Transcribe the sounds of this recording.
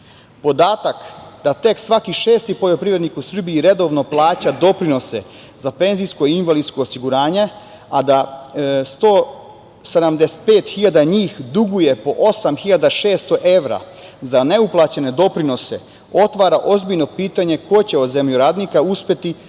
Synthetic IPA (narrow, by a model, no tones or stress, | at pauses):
pod̪aːt̪akd̪at̪e̞ksʋakiʃe̞ːst̪ipo̞ʎo̞pɾiʋɾed̪nikusr̩biiɾe̞d̪o̞ʋno̞plˠaːt͡ɕad̪o̞pɾino̞se̞ | zape̞nzijsko̞inʋalid̪sko̞ːsiɡuɾaːɲe̞ | ad̪ast̪oː | sed̪amd̪ese̥t̪̚pe̞ːt̪xiʎad̪aɲiːxd̪uɡuje̞po̞ʔo̞samxiʎad̪aʃe̞ːst̪o̞ʔe̞ʋɾa̰ | zane̞uplˠat͡ɕe̞ne̞d̪o̞pɾino̞se̞ | o̞t̪ʋaːɾaʔo̞zbiʎno̞piːt̪aɲe̞ko̞t͡ɕe̞o̞d̪ze̞mʎuɾaːd̪nikauspʲje̞t̪i